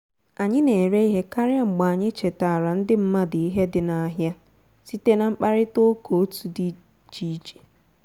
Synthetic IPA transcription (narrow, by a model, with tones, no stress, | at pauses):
a˨ɲɪ˦ne˨ɾe˦i˦ɦe˦ka˦ɾɪ˦a˦ŋ͡m̩˨ɡ͡ba˨ɲɪ˦t͡ʃe˨ta˨ɾa˨n̩˦dɪ˦m̩˦ma˦dɪ˨i˦ɦe˦dɪ˨na˨˦ɦja˦ | si˦te˦na˨ŋ͡m̩˦k͡pa˦ɾɪ˦to˦kʰo˨o˦tu˨di˦ | t͡ʃi˦t͡ʃe̥˨